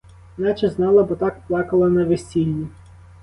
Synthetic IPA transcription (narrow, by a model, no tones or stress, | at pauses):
nɑt͡ʃɛznɑlˠɐbɔt̪ɑkplˠɑkɐlˠɐnɐʋesʲilʲnʲi